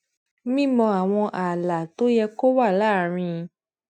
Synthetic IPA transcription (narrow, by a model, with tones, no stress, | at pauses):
mĩ˦mɔ̃˧a˨w̃ɔ̃˧ʔa˨la˨to˦jɛ˧ko˦wa˦˨laː˦˨ɾ̃ĩ˧